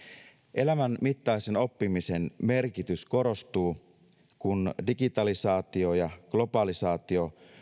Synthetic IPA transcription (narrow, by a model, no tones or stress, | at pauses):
ʔe̞læmænmit̪ːɑiseno̞pːimise̞nme̞rkit̪ysko̞ɾo̞st̪uː | kundiɡit̪ɑlisɑːt̪io̞jɑɡ̥lo̞pɑlisɑːt̪io̞